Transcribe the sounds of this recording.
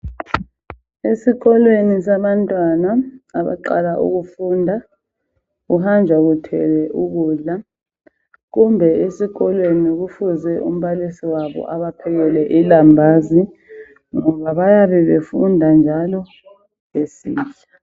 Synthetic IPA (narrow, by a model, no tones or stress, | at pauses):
esiɣɔlwenis̬aβantʼwanaaβa̰ǃa̰laʔṵɣufundʱa | ɣuhand͡ʒʱaɣutʰɛ̰lɛʔuɣuːɮa | ɣumbʱɛesiɣɔlweniɣufuzɛʔṵm̩βalisiwaβɔ̰ʔaβapʰɛɣɛlɛʔilambʱaːzi | ŋɔβaβajaβɛβefundʱand͡ʒʱalɔ | ŋesḭːt͡ʃa